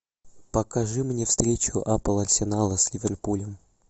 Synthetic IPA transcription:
pəkɐʐɨmnʲefst̪ɾʲet͡ɕʊʔapəlˠɐrʲsʲɪnalˠəsʲlʲɪvʲerpulʲəm

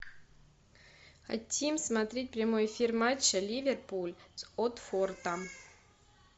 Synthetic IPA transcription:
xa̰t̪ʲːimsmat̪ɾʲet̚ʲpɾʲamojefʲirmat͡ɕːəlʲivʲerpulʲsot̪fort̪ə

